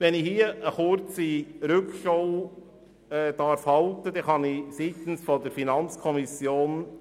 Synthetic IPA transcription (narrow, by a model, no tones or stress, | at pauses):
ʋɛnɪhiəʔəχʊɾt͡siɾʏkʃɔw | ɛːd̥̪ɑɾfhɑlt̪əd̥̪ɛχɑnisit̪n̩sfɔd̪əɾfinɑnt͡skʰɔmisjoːn